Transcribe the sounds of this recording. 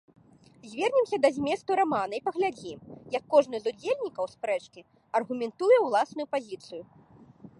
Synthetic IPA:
zʲvʲɛrnʲimsʲɐd̪ɐzʲmʲɛst̪uɾamanɐipɐɣlʲad͡zʲimjɐkːɔʐnɨzud͡zʲelʲnʲikɐwspɾɛt͡ʂkʲi | ɐrɣumʲɛnt̪ujɛwlˠasnujupazʲit̪sɨju

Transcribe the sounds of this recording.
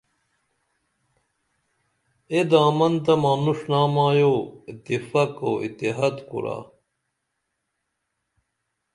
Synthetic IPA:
ed̪aːmɐnt̪ɐmaːnuʂnaːmãːjoːit̪ifɐkoːḭt̪iɦad̪kṵɾa̰ː

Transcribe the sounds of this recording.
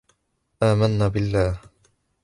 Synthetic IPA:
ʔaːmanːaːbɪlːaːh

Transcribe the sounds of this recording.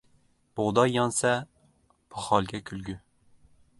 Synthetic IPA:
b̥oʁd̪ɑjːɑnsɛ | pʰɑχɑlˠɡʲɛkʲʰylɡʲy

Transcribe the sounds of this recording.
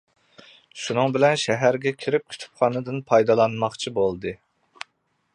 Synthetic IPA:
ʃunɨŋbɪlɛnʃɛɦæɾɡʲɛkʲʰiɾɪp̚kʲʰy̥t̪ʰy̥p̚χɑnɨd̪ɨnpʰɑjd̪ɑlˠɑnmɑχt͡ʃʰibolˠd̪ɨ

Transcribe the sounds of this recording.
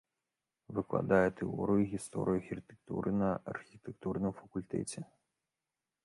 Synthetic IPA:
vɨklˠa̰d̪ajɛt̪ɛɔ̰ɾɨjuɣʲist̪ɔ̰ɾɨjuxʲirɨt̪ɛ̥k̚t̪ṵɾʔɨnɐɐrxʲit̪ɛkt̪urnɨmfɐkulʲt̪ɛ̰t͡sʲɛ

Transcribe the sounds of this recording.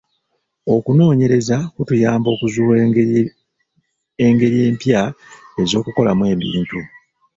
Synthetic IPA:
o̞kuno̞ːɲe̞ɾe̞zakutujaːmbo̞ːkuzuː | eŋɡe̞ɾije̞ːmpjae̞zo̞ːkuko̞lamwe̞ːβḭːntu

